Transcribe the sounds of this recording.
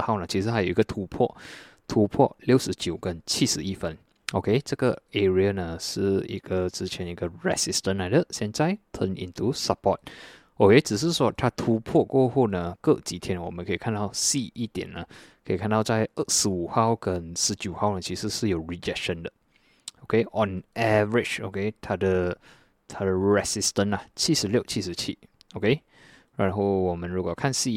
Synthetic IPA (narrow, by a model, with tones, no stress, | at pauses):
ha˥˩ʊnə˩t͡ɕʰi˧˥ʂ̬ɻ̩˧˥a˧˥jo˨˩˨i˧˥ɡə˨t̪ʰu˧˥pʰwɔ̰˥˩ | t̪ʰu˧˥pʰɔ̰˥˧ljo˥˩ʊʂɻ̩˧˥t͡ɕjo˨˩ʊkə˦nt͡ɕʰi˥˩ʂɻ̩˧˦i˥˩fə˥˧n | o˨kʰe˥ɪʈ͡ʂə˥˧˩ɡə˩ɛ˧ɹi˧ə˧nə˧ʂɻ̩˥˩ḭ˧˦˥ɡ̥ə˧ʈ͡ʂɻ̩˥t͡ɕʰjɛ˨˧˦ni˧ɡə˨ɹɛ̰˧˩si˧st̪ə˧nla˨˧ɪd̪ə˨ɕjɛ˥˧nt͡sa˥˧˩ɪt̪ʰə˧˥nʔḭ˨˩nt̪ʰu˥sa˨˧˩pʰɔ˥˧˩t̪̚ | ʔo˨kʰe˥ɪʈ͡ʂɻ̩˨˩ʂ̬ɻ̩˥˨ʂwɔ˥t̪ʰa˥t̪ʰu˧˥pʰɔ˥˧kwɔ˥˧xu˥˩nə˩kə˥˧t͡ɕi˨˥t̪ʰjɛ˥nwɔ˨mə˦nkʰə˧i˨˩kʰa˥˧nt̪aɑ˥˧ʊsi˥˩i˥˩t̪jɛ̰˨˩nːə˦ | kʰe˧˨kʰã˥˧na˧ʊt͡ʃa˧jə˦sɨ˧u˨ha˧wkə˨nsɨ˧t͡ɕu˨ha˧wnə˨t͡ʃʰi˧sɨ˥˧sɨ˥˧˨jo˨ɹi˨d͡ʒɛkʃə̃˧ndə˨ʔ | o˨kʰe˦ʔɔ̃˨nɛvəɹɪt͡ʃo̰˨ke˦t̪ʰa˧də | t̪ʰa˧də˨ɹɛsistə̃˨na˨t͡ʃʰi˥˧sə˨ljʔt͡ʃʰi˧sɨ˧t͡ʃʰḭ˧ | o˨ke˦ | ɹanɦowɔ˨mə̃˨nɹu˨ɡɔ˨kʰã˥˨nsi˧